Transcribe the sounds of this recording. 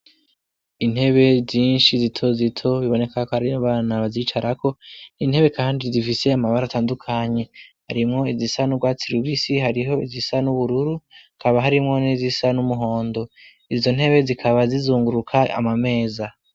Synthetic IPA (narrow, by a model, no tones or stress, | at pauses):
in̥he̞βe̞zjiːnʃizitʰo̞zitʰo̞βiβo̞ne̞kʰakohaɾiaβaːnaβazit͡ʃaɾakʰo̞nin̥he̞βe̞kaːndizifise̞amaβaɾataːndukʰaɲe̞haɾimŋo̞izisanubɡwaːt͡siɾuβisiɦaɾiɦo̞izisanuβuɾuɾu | kʰaβaɦaɾimŋo̞nizisanumuɦo̞ːndo̞ | izo̞n̥he̞βe̞zikʰaβazizuːŋɡuɾukʰaa̰mame̞ːza